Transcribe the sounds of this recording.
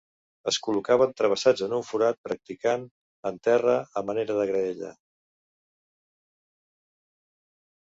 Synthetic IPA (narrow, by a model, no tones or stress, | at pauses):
əskulukaβənt̪ɾəβ̞əsad͡zənuɱfuɾat̪̚pɾək̚t̪ikan | ənt̪ɛrəəməneɾəðəɣɾəɛʎə̰